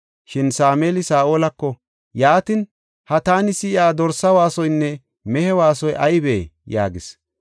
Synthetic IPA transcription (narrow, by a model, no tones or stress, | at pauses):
ʃɪnsaːmeːlɪsaːʔoːlɐkːɔ | jaːt̪ɪn | hɐt̪aːnɪsɪɪaːd̪ɔɾsɐwaːsɔjnːɛ | mɛhɛwaːsɔjʔɐjbḛːja̰ːɡɪs